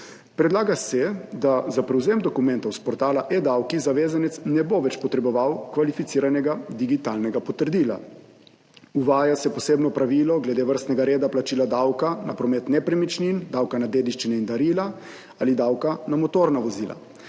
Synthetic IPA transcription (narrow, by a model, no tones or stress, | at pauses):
pɾɛd̪laːɡasɛd̪azapɾɛwzeːmd̪ɔkumɛnt̪awspɔɾt̪aːlaʔed̪awkizaʋeːzanɛt̪snɛboʋɛt͡ʃpɔt̪ɾɛbɔʋawkʋalifit̪siːɾanɛɡad̪iɡit̪alnɛɡapɔt̪əɾd̪iːla̰ | uʋaːjasɛpɔseːbnɔpɾaʋiːlɔɡlɛd̪eːʋəɾst̪nɛɡaɾeːd̪aplat͡ʃiːlad̪awkana̰pɾɔmɛt̪nɛpɾɛmit͡ʃnind̪awkanad̪eːd̪iʃt͡ʃinɛind̪aɾiːla | alid̪awkanamɔt̪oːɾnaʋɔziːla̰